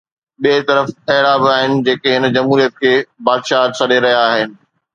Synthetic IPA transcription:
ɓiet̪ɐɾəfɐɦɪɽabɪaːɦɪnɪ̆d͡ʑeːkeɦɪnd͡ʑɐmɦuːɾijət̪̚kʰeːbaːd̪ʃaːsɐɗeɾɐɦijaːɦɪnɪ̆

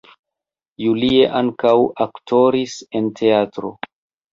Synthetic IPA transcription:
julie̞ʔaŋkawaktʰo̞ɾise̞ntʰe̞atɾo̞̰

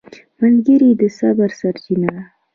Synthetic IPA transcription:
malɡəɾid̪əsabaɾsaɾt͡ʃina

